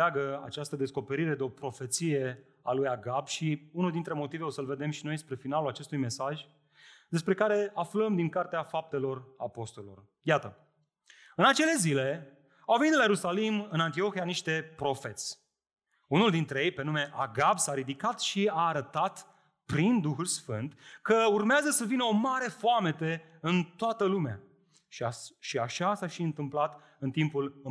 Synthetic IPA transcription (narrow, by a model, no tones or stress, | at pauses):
aɡəa̰t͡ʃast̪əd̪e̞sko̞pe̞ɾiɾe̞d̪eo̞pɾo̞fe̞t̪sije̞ | a̰lujaɡabʃiunuld̪int̪ɾe̞mo̞t̪ive̞o̞səlve̞d̪e̞mʃino̞jspɾe̞finalulat͡ʃe̞st̪ujme̞saʒʲ | d̪e̞spɾe̞kaɾe̞afləmd̪iŋkart̪eafap̚t̪e̞lo̞ra̰po̞st̪olelor | jat̪ə | ɨnat͡ʃe̞le̞zile̞ | awvenit̪lajeɾusalimɨnant̪io̞xianiʃt̪e̞pɾo̞fe̞t̪sʲ | unuld̪int̪ɾejejpe̞nume̞ʔaɡabsaɾid̪ikat̪ʃiaːɾət̪at̪ | pɾind̪uxulsfɨnt̪kəurmeazəsəvinəomaɾe̞foame̞t̪e | ɨnt̪oat̪əlumea̰ | ʃaʃiaʃasaʃiɨnt̪ɨmplat̪ | ɨnt̪impulɨ